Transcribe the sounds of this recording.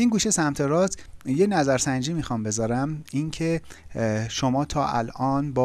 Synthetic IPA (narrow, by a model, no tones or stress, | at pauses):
inɡuːʃe̞sæmt̪ʰeɾɒːzjenæzæɾsænd͡ʒiːmixɒmbe̞zɒːɾæmincʰe̞ | ʃomɒːt̪ʰɒːʔælʔɒːnbɒ